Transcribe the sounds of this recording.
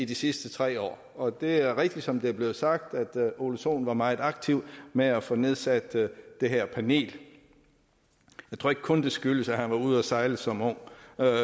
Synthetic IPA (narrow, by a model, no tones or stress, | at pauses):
id̥isisd̥ət͡sʰʁɛ̰ːɒ̰ː | ɒ̽d̥e̝æɐʁɛɡ̥d̥id̥sɒ̽md̥e̝æɐble̝ːð̞̩ˠsɑ̈ɡ̥̚d̥æd̥o̝luɕo̝̰ːn̩ʋɑ̈mɑ̈ːð̩ˠɑ̈ɡ̥t͡sʰiʊmeæfɔne̝ð̞ˠsæd̥ːe̝ɦeɐ̰pʰæne̝̰ːl | jɑ̈ɪt͡sʰo̝ɐe̝ɡ̥kʰɔ̽nd̥e̝sɡ̥yləsæhænʋɑ̈uð̞̰ˠæsɑ̈ɪləsɒ̽mɔ̽ŋ̰